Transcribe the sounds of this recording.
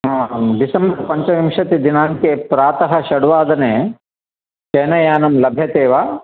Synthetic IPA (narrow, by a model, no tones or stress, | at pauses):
ɦaɖisɐmbɐɾpɐɲt͡ʃɐʋimʂɐt̪id̪inaːŋkepɾaːt̪ɐɦɐʃɐɽuʋaːd̪ɐneː | t͡ʃeːnɐjaːnɐmlɐbʱjɐt̪eːʋaː